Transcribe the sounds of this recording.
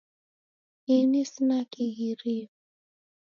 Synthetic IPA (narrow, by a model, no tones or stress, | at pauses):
inisinakiɣiɾi